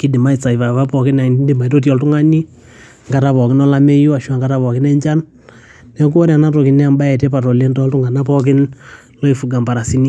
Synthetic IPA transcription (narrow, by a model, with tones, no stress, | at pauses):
ki˦di˨ma˦i˨t͡sa˨i˨va˨βa˦pɔ˨kɪ˦na˨˦di˨ma˨i˨to˦t̬jɔ˨ltu˦ŋa˦ni˦ | ŋɡa˨ta˨˦βɔ˨kɪ˦nɔ˦la˦me˦ju˦a˨ʃa˨ŋɡa˨ta˦βɔ˨kɪ˦nɛ˦ɲt͡ʃa˦n | nɛ˨k̬u˦ɔ˦ɾja˨na˦to˨ki˨nɛ˦a˨mba˦ɛ˨tɛ˦pa˨ɾo˨le˦ntɔ˦ltu˦ŋa˨na˦pɔk̬ɪ˦n | lɔ˦i˨fu˨ɡa˨mba˨ɾa˨si˦ni˦